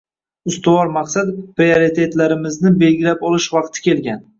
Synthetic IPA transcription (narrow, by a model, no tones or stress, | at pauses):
ʊst̪ʊwɒɾmaqsat̪pɾioɾit̪ʰe̞t̪laɾɪmɪznɪbe̞lɡʲɪlapɒlɪʃvɑqt̪ʰɪ̥kʲʰe̞lɡʲan